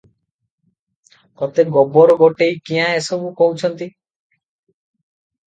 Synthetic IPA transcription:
kɔt̪eɡɔbɔɾɔɡoʈejkiɦãesɔbukɔut͡ʃʰɔnt̪i

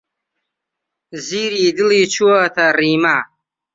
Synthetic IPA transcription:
ziːɾid̪ɨlit͡ʃʰuwat̪ʰariːma

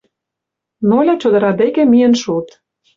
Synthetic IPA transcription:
nolʲæt͡ɕod̪ɤ̆ɾɑd̪ekĕmijĕnʃut̪

